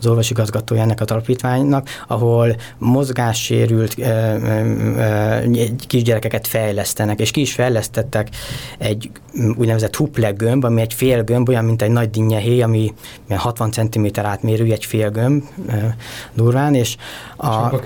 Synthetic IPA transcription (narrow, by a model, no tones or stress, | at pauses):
zo̞rʋɒʃiɡɒzɡɒt̪oːjɛnːɛkɒzɒlɒpiːt̪ʋaːɲnɒkɒɦo̞l | mo̞zɡaːʃːḛːɾylt̪ː | ɛkiʒɟɛɾɛkɛkɛt̪fɛjlɛst̪ɛnɛkeːʃkiːʃfɛjlɛst̪ɛt̪ːɛkɛɟː | ṵːɟnɛvɛzɛt̪huplɛɡømbɒmiɛɟfeːlɡømbo̞jɒmːint̪ɛɟnɒɟd̪iɲːɛɦeːjɒmi | ijɛnhɒt̪ʋɒnt̪sɛnt̪imeːt̪ɛɾaːt̪meːɾyljɛɟfeːlɡømb | d̪uːrvaːneːʃ | ɒ